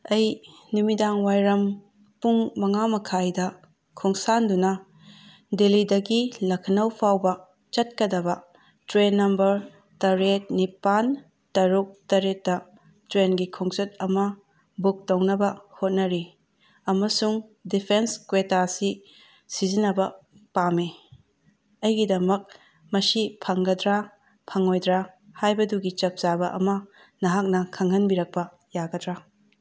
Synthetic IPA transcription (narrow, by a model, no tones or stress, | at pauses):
ɐj | numidaŋwajɾɐm | puŋmɐŋamɐkʰajdɐ | kʰuŋsandunɐ | delidɐɡilɐkʰɐnɐwpʰawbɐ | t͡ʃɐt̚kɐdɐbɐ | tɾenːɐmbɐɾ | tɐɾet̚nipan | tɐɾuk̚tɐɾetːɐ | tɾenɡikʰuŋt͡ʃɐt̚ɐmɐ | buk̚tɐwnɐbɐhot̚nɐɾi | ɐmɐsuŋdipʰenskwetasi | sizinɐbɐ | pame | ɐjɡidɐmɐk̚ | mɐsipʰɐŋɡɐdɾa | pʰɐŋojdɾahajbɐduɡit͡ʃɐp̚zabɐʔɐ̰mɐ | nɐɦak̚nɐkʰɐŋɐnbiɾɐk̚pɐ | jaɡɐdɾa